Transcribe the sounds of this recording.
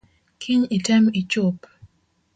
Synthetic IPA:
kʰiɲitɛmit͡ʃop

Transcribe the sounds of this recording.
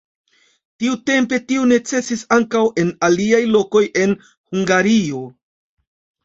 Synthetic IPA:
tiute̞mpe̞tiune̞t͡se̞sisaŋkawe̞naliajlo̞ko̞jʔe̞n | huŋɡaɾio̞

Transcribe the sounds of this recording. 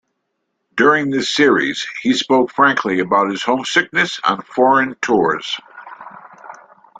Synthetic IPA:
d̥ʊɹɪ̃ŋðɪsɪɹḭz̥hispoʊkfɹæ̃ŋkʰliɨbaʊt̚hɨz̥hõʊ̃msɪk̚nɨsə̰̃nfɔɹɨ̃ntʰʊɹz̥

